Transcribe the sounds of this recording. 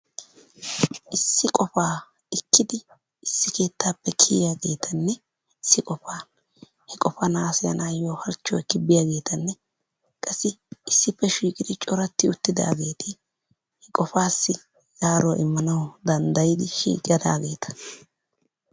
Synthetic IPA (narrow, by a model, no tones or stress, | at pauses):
ʔɪsːɪkʼɔfaː | ɪkːɪd̪ɪ | ɪsːɪke̞ːt̪ːaːpːɛkʰɪjjaɡe̞ːt̪ʰɐnːɛ | ɪsːɪkʼɔfaːn | hɛkʼɔfɐnaːsɛjɐ̰naːjoːhɐɾt͡ʃːɔjkɪbːɪjaːɡe̞ːt̪ɐnːɛ | kʼɐsːɪɪsːɪpːɛʃiːkʼɪd̪ɪt͡ʃʼɔɾɐt̪ːɪʊt̪ːɪd̪a̰ːɡe̞ːt̪ʰɪ | hɛkʼɔfaːsːɪ | jaːɾoːʔɪmːɐnɐwʊd̪ɐnd̪ɐjɪd̪ɪʃḭːkʼjɐd̪a̰ːɡe̞ːt̪ɐ̥